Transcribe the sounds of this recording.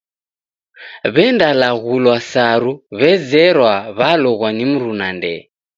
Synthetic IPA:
βɛndalaɣulwasaɾuβɛzɛɾwaβalɔɣwanim̩ɾunandɛ̰

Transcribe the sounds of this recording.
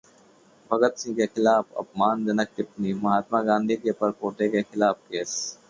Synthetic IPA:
bʱɐɡət̪sĩːkexɪlaːfɐ̰p̚maːnd͡ʒɐnək̚t̪ɪp̪niːmɐɦaːt̪maːɡãːnd̪ʱikepɐɾpoːʈekexɪlaːfkeːs

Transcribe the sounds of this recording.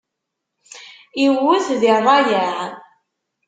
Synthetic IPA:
iwʊθðirˤːɑjəʁ

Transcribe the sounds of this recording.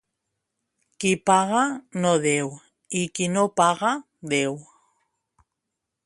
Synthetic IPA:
kipaɣanoðew | ikinopaɣa | ðew

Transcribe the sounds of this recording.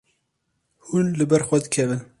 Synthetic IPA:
hunlɨbɛɾxʷɛd̪ɨkʰɛvɨn

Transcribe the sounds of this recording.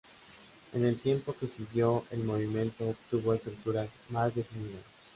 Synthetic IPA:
e̞̰ne̞lt̪je̞mpo̞ke̞siɣjo̞elmo̞β̞imjẽ̞nt̪o̞ːpt̪uβo̞est̪ɾuk̚t̪uɾaz | mazd̪e̞finiða̰s

